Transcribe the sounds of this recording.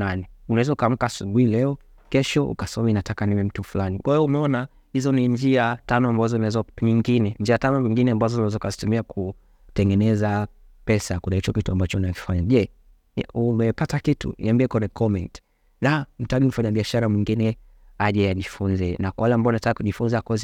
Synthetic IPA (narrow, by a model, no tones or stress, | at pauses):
nanɛunaɛzɛukam̩kasuɡuilɛɔ | kɛʃɔṵkasɔminatakanimim̩tufulanikwaɛɔumɛɔna | hizɔniɲd͡ʒiatanɔambazɔinawɛzɔɲiŋɡinɛɲd͡ʒiatanɔviŋɡinɛambazɔnawɛzɔukazi̥tumiakʰu | tɛŋɡɛnɛza | pɛsakunait͡ʃɔkituambat͡ʃɔnaki̥faɲaʄɛ | umɛpatakitʰṵnḭambiɛkɛnɛkɔmɛnti̥ | nam̩taɡim̩faɲaɓiaʃaɾamwiŋɡinɛ | aʄɛjaʄifunzɛnakawalɛambaɔnatakikuʄifunzaakɔzi